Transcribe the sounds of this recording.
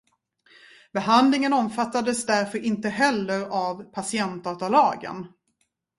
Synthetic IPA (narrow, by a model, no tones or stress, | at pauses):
bɛɦand̪lɪŋənɔmfat̪ːad̪əsd̪æɾfœɾɪnt̪əɦɛlːəɾavpʰasɪɛnt̪̚d̪ɑːt̪aɭɑːɡə̰n